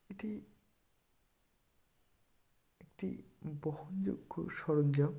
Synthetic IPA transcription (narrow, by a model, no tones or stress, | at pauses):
eʈi | ekʈḭbɔhund͡ʑo̰ɡʰʱːo̰ʃɔɾond͡ʑa